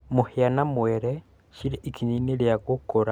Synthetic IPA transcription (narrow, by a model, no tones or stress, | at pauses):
mohianamwɛɾɛ | ʃiɾeʔikiɲineɾjaɣokoɾa